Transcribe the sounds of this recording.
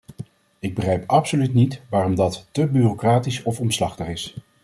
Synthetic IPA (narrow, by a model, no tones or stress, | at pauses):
ɪɡ̚bəχrɛjpɑpsolytnitʋaːrɔmdɑttəbyrokraːtisɔfɔmslɑχtəχɪs